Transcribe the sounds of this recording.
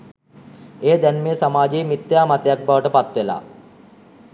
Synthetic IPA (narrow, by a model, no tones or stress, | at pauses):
eːd̪ɛnmeːsamaːd͡ʒeːmit̪ːjaːmat̪əjak̚baʋəʈəpat̪ʋela̰ː